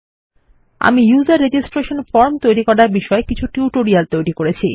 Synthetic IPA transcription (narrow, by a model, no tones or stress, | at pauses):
a̰mijuzaɾːed͡ʑisʈɾeʃonfɔɾmt̪ojɾikɔɾaɾbiʃɔekit͡ɕʰuʈuuʈoɾialt̪ojɾikoɾet͡ɕʰi